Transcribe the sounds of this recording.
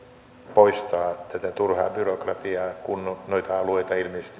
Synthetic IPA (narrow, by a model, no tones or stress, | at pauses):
poist̪ɑːt̪æt̪æt̪urhɑ̰ːbyrokrɑt̪iɑːkunːnoit̪ɑɑluoit̪ɑilmisest̪i